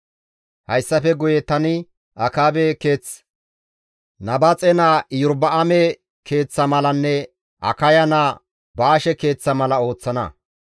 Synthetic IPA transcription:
hɐjsːɐfɛɡʊjɛt̪ɐnɪ | ʔɐkaːbɛke̞ːt͡s | nɐbɐt͡sʼɛnaːjʊɾbɐʔɐmɛ | kʰe̞ːt͡sːɐmɐlɐnːɛ | ʔɐ̰kɐjɐna | baːʃɛke̞ːt͡sːɐmɐlɐo̞ːt͡sːɐnɐ̰

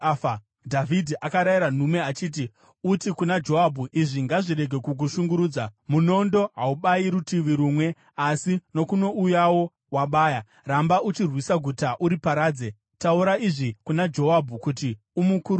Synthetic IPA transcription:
dʱavʱidʱiʔakaɾajiɾan̤ume̞at͡ʃiːt̬i | utikunad͡ʒo̞ɦabʱuʔiʐiŋɡaʐiɾe̞ɡʱe̞kuk̬uʃuŋɡuɾuːd͡zamuno̞ndo̞ɦauɓaiɾutiʋiɾuːmwe̞ | asino̞kuno̞ʔujawo̞ | waɓaːja | rambaut͡ʃirwisaɡʱutaʔuɾipaɾaːd͡ze̞ | tauɾaiʐikunad͡ʒo̞wabʱukut̬i | umukuɾu

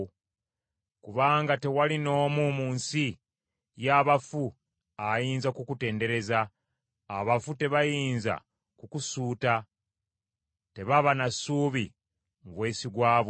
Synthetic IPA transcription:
kuβaːŋɡate̞walino̞ːmumuːnsi | jaːβafu | ajiːnzakukute̞ːnde̞ɾe̞zaː | βafute̞βajiːnza̰ | kukusuːta | te̞βaβanasuːβi | muβwe̞ːsiɡwaːβo

